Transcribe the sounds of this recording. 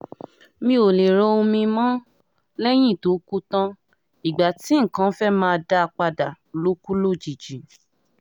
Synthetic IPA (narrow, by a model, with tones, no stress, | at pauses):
mĩ˦o˨le˨ɾo˨˦o˧mĩ˧mã˦ | lɛ˦j̃ĩ˦˨to˨˦ku˦tã˦ | i˨ɡ͡ba˨ti˨˦ŋ̩˨kã˨˦fɛ˦mãː˦˧da˧k͡pa˧da˨lo˨˦ku˦lo˦˨d͡ʒi˨d͡ʒi˨